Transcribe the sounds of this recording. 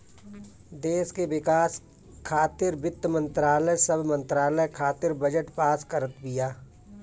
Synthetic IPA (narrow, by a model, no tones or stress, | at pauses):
d̪eːskewɪkaːs | kʰaːt̪ɪɾbɪt̪ːmə̃nt̪ɾaːləsəbʱmə̃nt̪ɾaːləkʰaːt̪ɪɾbəd͡ʒəʈpaːskəɾət̪bɪjaː